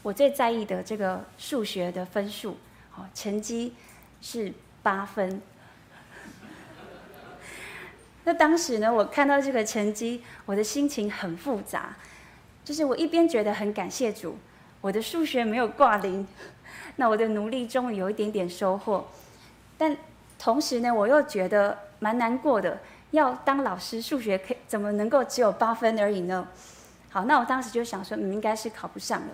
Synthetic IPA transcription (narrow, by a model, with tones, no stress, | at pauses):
wɔ˨˩t͡swe˥˧ɪt͡sa˥˧ɪi˥˩d̪ə˩ʈ͡ʂɤ˥˩ɡə˩ʂu˥˩ɕɥɛ˧˥d̪ə˨fə˦˥nʂu˥˩ | ɔ˨˩ʈ͡ʂʰə˧˥nt͡ɕi˥ | ʂɻ̩˥˩ | pa˥fə˦n | na˥˩t̪ɑ˥ŋʂɻ̩˧˥nə˧wɔ˨˩kʰa˥˧nt̪ɑ˥˧ʊʈ͡ʂɤ˥˩ɡə˩ʈ͡ʂʰə˧˥ŋt͡ɕi˥wɔ˨˩d̪ə˦ɕi˥ŋt͡ɕʰi˧˥ŋxə˨˩nfu˥˩t͡sa̰˧˦ | t͡ɕjo˥˧ʂ̬ɻ̩˥˩wɔ˨˩ʔi˥˩pjɛ˥nt͡ɕɥɛ˧˥d̪ə˧xə˧˥nka˨˩nɕjɛ˥˩ʈ͡ʂṵ˨˩˦ | wɔ˨˩d̪ə˧˦ʂu˥˩ɕɥɛ˧˥me˧˥ɪjo˨˩ʊkwa˥˩li˧˥nna˥˩wɔ˨˩d̪ə˦nu˨˧˦li˥˩ʈ͡ʂʊ˥ŋjo˨˩ʊi˥˩t̪jɛ˧˥nt̪jɛ˨˩nʂo˥ʊxwɔ˥˩ | t̪a˥˩n | t̪ʰo˧˥ŋʂɻ̩˧˥nə˧wɔ˨˩jo˥˩ʊt͡ɕɥɛ˧˥d̪ə˧ma˧˥nna˧˥nkwɔ˥˩d̪ə˩ | jɑ˥˩ʊt̪ɑ˥ŋlɑ˨˩ʊʂɻ̩˥ʂu˥˩ɕɥɛ˧˥kʰt͡sə˨˩nmə˦nə˧˥ŋko˥˩ʊʈ͡ʂɻ̩˧˥jo˨˩ʊpa˥fə˥nə˞˧˥i˨˩nə˦ | xɑ˨˩ʊna˥˩wɔ˨˩t̪ɑ˥ŋʂɻ̩˧˥jo˥˧ʊ˥˩jɑ˨˩ŋʂwɔ˥n̩˨˩i˥ŋka˥ɪʂɻ̩˥˩kʰɑ˨˩ʊpu˧˥ʂɑ˥˩ŋə̰˩